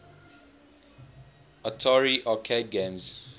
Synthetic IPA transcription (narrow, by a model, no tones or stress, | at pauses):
ətʰɔɹiʔɔkʰedɡẽmz̥